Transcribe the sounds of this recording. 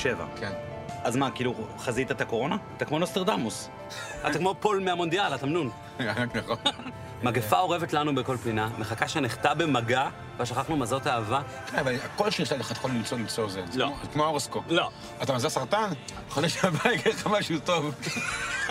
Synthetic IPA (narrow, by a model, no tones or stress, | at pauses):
ʃeva̰kʰen | azmakiiːluχazit̪at̪ako̞ʁo̞naat̪akmo̞nost̪eʁd̪amus | a̰t̪akmopolmeamo̞nd̪ijalat̪amnun | anakneχo | maɡefao̞ʁevet̪lanubeko̞lpiname̞χakaʃeniχt̪abemaɡa | vaʃaχaχnumazot̪aːva | keavalakolʃeniʃtataχat̪e̥χolimt͡solimt͡sozeloazkmooʁeskolo̞ | at̪amazasaʁt̪an | χod̪eʃeabajɡeχamaʃutov